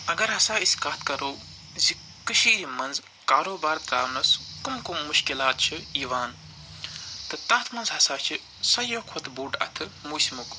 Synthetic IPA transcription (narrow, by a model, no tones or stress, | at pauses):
ɐɡɐɾɦɐsaːiskaːt̪ʰkɐɾoː | zi | kɨʃiːɾimɐnz | kaːɾoːbaːɾt̪ɾaːʋnɐskumkumːuʃkilaːt̪̚t͡ʃʰiiːʋaːn | t̪ɨt̪ɐːt̪ʰmɐnzɦɐsaːt͡ʃʰi | sɐjokʰot̪ʰbuːɖɐ̰t̪ʰɨmuːsmuk